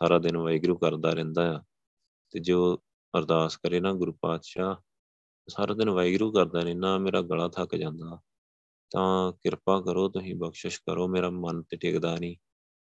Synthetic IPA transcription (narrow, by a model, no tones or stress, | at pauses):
saːɾaːd̪ɪnʋaːiɡɾuːkəɾd̪aːɾɛ̃ːnd̪aːjaː | t̪eːd͡ʒoː | əɾd̪aːskəɾeːnaːɡʊɾuːpaːd̪ʃaː | saːɾaːd̪ɪnʋaːiɡɾuːkəɾd̪aːnĩːnaːmeːɾaːɡəlaːt̪ʰakd͡ʒãːnd̪aː | t̪ãːkɪɾpaːkəɾoːt̪ʊsĩːbəkʃəʃkəɾoːmeːɾaːmənt̪eːʈʰeːkd̪aːnĩː